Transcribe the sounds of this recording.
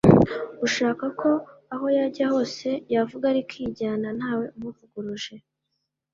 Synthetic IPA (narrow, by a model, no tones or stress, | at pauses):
uʃaːkakʰo̞aho̞jaɟaho̞ːse̞javuɡaɾikʰiɟaːnan̥aːwe̞umuvuɡuɾuʒe̞